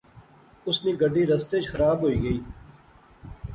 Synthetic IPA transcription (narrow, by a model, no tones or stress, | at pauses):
ʊsniːɡəɖʱːiːɾɐst̪eːd͡ʒxɐɾaːbɦoːiːɡəiː